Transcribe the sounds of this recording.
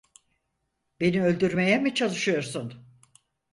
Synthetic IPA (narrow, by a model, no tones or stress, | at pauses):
be̞niølʲd̪yɾme̞jɛmit͡ʃʰalˠɯʃɯjo̞ɾsun